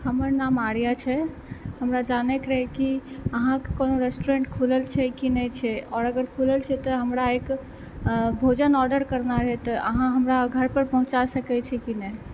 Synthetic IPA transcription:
həməɾnamaɾijat͡ʃʰɛ | həmɾad͡ʒanɛkɾəɦɛkiəɦãkkonoɾesʈuɾẽɳʈkʰuləlt͡ʃʰɛkinət͡ʃʰɛɔːɾəɡəɾkʰuləlt͡ʃʰɛt̪ɔɦəmɾaek | bʱod͡ʒənɔɾɖəɾkəɾnaɾəɦɛt̪ɔəɦãɦəmɾaɡʱəɾpəɾpəɦũt͡ʃasəkɛt͡ʃʰɛkinɛ

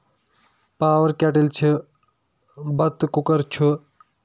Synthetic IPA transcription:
paːʋɐɾkʲaːʈilt͡ʃʰi | bɐt̪ːkukəɾt͡ʃʰu

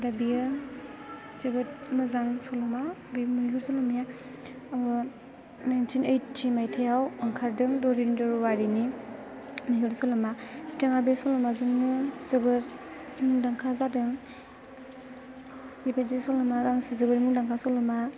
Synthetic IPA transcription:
dabija | zebɯt̚mɯzaŋsɔlɔmabimuiɦɯɾsɔlɯmja | najntʰinejtːʰimajtʰejawɐŋkʰaɾdɯŋdɔɾindɔɾwaɾini | miɦɯɾsɔlɯmataŋabijsɔlɔmazɯŋnɯzɐbɯɾ | muŋdaŋkʰazadɯŋ | mipezisɔlɯmaɡaŋsizɐbɐɾimuŋdaŋkʰasɔlɯma

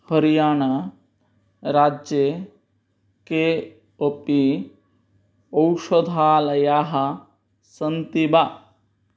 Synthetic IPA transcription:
həɾijaːna | ɾaːd͡ʒje | ke | opi | ɐwʃod̪ʱaːlɐjaːɦɐ | sɐnt̪iba

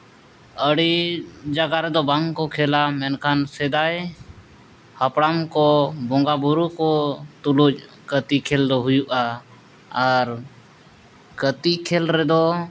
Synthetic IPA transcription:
əɽid͡ʒaɡaɾɛd̪obaŋkokʰelamɛnkʰansed̪aːj | həpɽamkobõŋɡaːbʊɾukot̪ʊlud͡ʒ | kət̪ikʰeld̪oɦʊjuʔa | əɾ | kət̪ikʰelɾɛd̪o

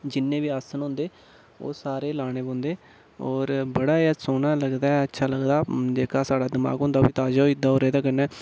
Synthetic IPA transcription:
d͡ʒɪnːẽːʋiːaːsənɦõːnd̪eː | o̰ːsaːɾeːlaːɽ̃eːbõːnd̪eː | ɔːɾbəɽaːeasoːnaːləɡd̪aːɛətːʃʰaːləɡd̪aːd͡ʒeːkʰaːsaːɽaːd̪ɪma̰ːɡɦõːnd̪aoːbiːt̪aːd͡ʒaːoːɪd̪aːoːɾeːd̪aːkəɾnɛː

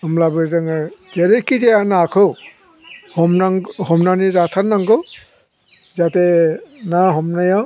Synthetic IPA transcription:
ɯmlabɯzɯŋteɾekizejanakʰɯw | hɔmnaŋhɔmnaniɾatʰaɾnaŋɡɔ | zatenaɦɔmnaja

